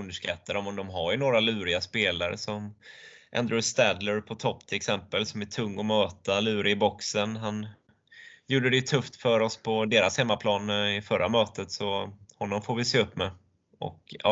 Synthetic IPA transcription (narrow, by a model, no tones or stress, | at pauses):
ɵnd̪əʂkat̪ːaɾɔmɔmd̪ɔmɦaɾjɵnoːɾalʉ̟ːɾɪaspeːlaɾə̰sɔmʔa̰nd̪ɾɛst̪æd̪ləɾpʰɔt̪ʰɔpːt̪ʰɪlɛksɛmpəlsɔmæʈʰɵŋːɔmøːt̪alʉ̟ːɾɪbɔksənɦan | juːɖəd̪ɛjɵt̪ʰɵft̪fœɾɔspʰɔd̪eːɾashɛmːapʰlɑːnɪfœɾa̰møːt̪ət̪sɔhɔnːɔmfoːɾvɪseːɵpːmɛ | ʔɔ̰kʔɑ̰